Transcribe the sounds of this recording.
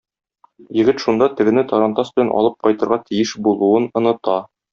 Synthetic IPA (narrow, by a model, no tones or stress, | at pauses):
jɘ̆ɡɘt̪ʃund̪ɑt̪ɘ̆ɡɘ̆nɘt̪ɒɾɑnt̪ɑsbɘ̆lænʔɒ̰lˠɤp̚qɒjt̪ɤ̆ɾʁɑt̪ĭjɘʃbulˠuɤnɤ̆nɤ̆t̪ɑ